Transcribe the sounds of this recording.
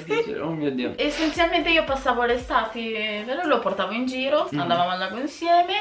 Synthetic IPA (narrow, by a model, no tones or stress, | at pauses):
omiod̪io̰esenisalment̪eiːopasːaːvoalest̪aːt̪iveloloport̪aːvoind͡ʒiːɾoand̪avamalːaɡoinsjɛːme